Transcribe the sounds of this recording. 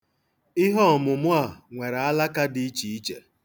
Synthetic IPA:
ɪ˦ɦɔ˦˨mʊ˨mʊ˦a˦˨ŋʷe˨ɾa˨a˦la˦ka˦di˦i˦t͡ʃi˨i˦t͡ʃe˨

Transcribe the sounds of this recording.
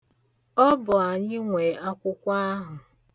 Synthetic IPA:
ɔ˦bʊ˨a˨ɲɪ˦ŋʷe˨a˦kʷʊ˦kʷa˦a˦ɦʊ˨

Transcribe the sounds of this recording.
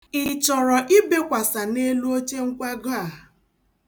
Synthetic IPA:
ɪ˨t͡ʃɔ˨ɾɔ˨ʔɪ˦be˦kʷa˨sa˨ne˦lu˦o˦t͡ʃe˦ŋ̩˦kʷa˦ɡa˨

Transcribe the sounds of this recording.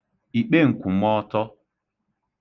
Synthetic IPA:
i˨k͡pe˦˨ŋ̩˨kʷu˨m˦ɔ˦tɔ˦

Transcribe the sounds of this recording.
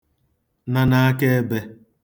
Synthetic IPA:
na˨na˦a˦ke˦e˦be˦

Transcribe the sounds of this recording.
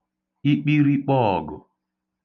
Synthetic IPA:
i˦k͡pi˦ɾi˦k͡pɔ˦ɔ˨ɡʊ̰˨

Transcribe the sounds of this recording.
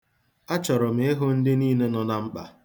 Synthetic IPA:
a˦t͡ʃɔ˨ɾɔ˨m̩˨˦e˦ɦʊ˦n̩˦dɪ˦niː˦ne˦nɔ˨na˨ŋ͡m̩˦k͡pa̰˨

